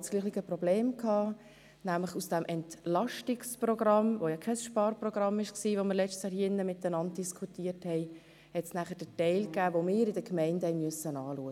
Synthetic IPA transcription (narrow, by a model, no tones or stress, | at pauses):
tsɡ̥liːχliɡəprɔbleːmkʰhɑː | næmləχusd̥ɛmʔɛntlɑʃtɪksprɔɡ̥rɑmʋojɑkʰɛsʃpɑːrprɔɡ̥rɑmɪʃksiːʋoməɾlɛt͡ʃtsjɑːɾhiɪnːəmɪt̪ənɑnd̚d̥iskʰutiːəɾthɛɪ | hɛtsnæχəd̥ətɛɪlkæːvomɪːɾɪdəkmɛɪndhɛɪmyəsənɑːluːəɡ